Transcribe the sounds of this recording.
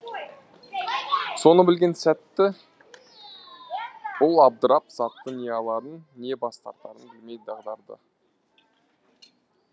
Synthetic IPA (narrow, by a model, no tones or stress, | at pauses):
so̞nəbɪlɡʲe̞nsæt̪ːɪ | b̥ʊlˠɑb̚d̪əɾɑpz̥ɑt̪ːənijeɑlˠɑɾənːe̞bɑst̪ɑ̰ɾt̪ːɑɾənbɪlme̞jd̪d̪ɑʁd̪ɑɾd̪ə̰